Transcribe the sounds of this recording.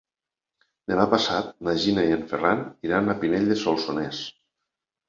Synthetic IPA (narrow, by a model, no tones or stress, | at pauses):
d̪emapasat̪̚naʒinaieɱferaniɾanapineʎʲd̪esolˠsones